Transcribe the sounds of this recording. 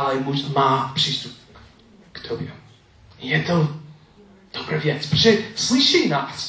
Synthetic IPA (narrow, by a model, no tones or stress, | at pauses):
alɛmuʒmaːpr̝̥iːst̪up̚ | kt̪ʰobjɛ | jɛt̪o | d̪̥obɾavjɛt͡spɾozɛslɪʃɛjnaːs